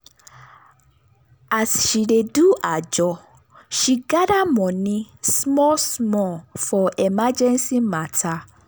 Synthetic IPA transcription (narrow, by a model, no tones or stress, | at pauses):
asʃiɾeduʔad͡ʒɔ | ʃiɡadamɔ̃nĩsmɔsmɔfɔɛmad͡ʒɛ̃nsimatʰa